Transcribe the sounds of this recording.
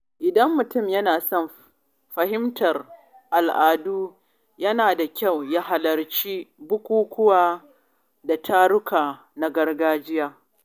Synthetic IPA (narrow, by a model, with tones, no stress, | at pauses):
ʔɪ˨dɐ˦mːʊ˨tʊ˦˨mjɐ˦naː˨sɔ˦˨m | ɸɐ˨hɪ˦mtʰɐ˨r | ʔa˨lʔaː˨duː˦ | jɐ˦naː˨da˨kʲa˦˨wjaː˦ɦa˨lɐ˨rt͡ʃiː˦bʊ˦kʷuː˦kʷʊ˦waː˨ | da˨tʰaː˦ɽʊ˦kaː˨ | na˦ɡɐ˦rɡaː˦d͡ʒɪ˦jaː˦